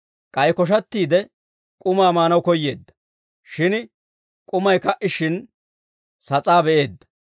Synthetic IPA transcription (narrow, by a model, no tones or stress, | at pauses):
kʼɐjkɔʃ̬ɐt̪ːiːd̪ɛ | kʼʊmaːmaːnɐwkɔjːe̞ːd̪ːɐ̥ | ʃɪn | kʼʊmɐjkɐʔɪʃɪn | sɐt͡sʼaːbɛʔe̞ːd̪ːɐ̥